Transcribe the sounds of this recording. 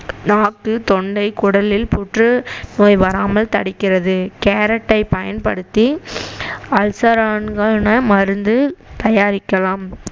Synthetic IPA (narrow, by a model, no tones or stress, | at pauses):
naːʈːɯt̪ɔɳɖɐɪkʊɽɐlɪlpʊʈrɯnoːjʋɐɾaːmɐlt̪ɐɽɪkːɪrɐðɯkeːɾɐʈːɐɪpɐjɐnpɐɽɯt̪ːi | ɐlsɐɾaːnɡɐɭnɐmɐɾɯnd̪ɯt̪ɐjaːɾɪkːɐlaːm